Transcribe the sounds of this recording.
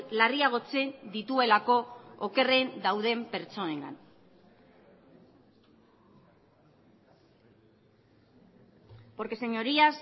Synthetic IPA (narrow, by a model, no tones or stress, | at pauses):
lariaɣ̞o̞t͡se̞nd̪it̪ue̞lako̞ːke̞re̞nd̪awðe̞mpe̞ɾt͡so̞neŋɡa̰n | po̞ɾke̞se̞ɲo̞ɾias